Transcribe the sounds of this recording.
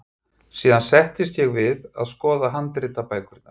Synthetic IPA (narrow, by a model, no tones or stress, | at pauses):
siːðansɛht̪ɪst̪jɛɣvɪða̰ðskɔːðaɦant̪ɾɪt̪apaːjkʏɾɪt̪ːa̰̥